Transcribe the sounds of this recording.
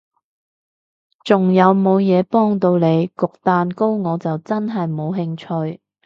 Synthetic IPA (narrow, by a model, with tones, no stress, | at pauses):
t͡sʊ˨˩ŋjɐ˨˧wmo˨˧wjɛː˨˧pɔː˥ŋt̪o˧wne˨˧jkʊ˨k̚t̪aː˨˧nko˥wŋɔː˨˧t͡sɐ˨wt͡sɐ˥nɦɐ˨jmo˨˧wɦɪ˧ŋt͡ʃʰɵ˧ɥ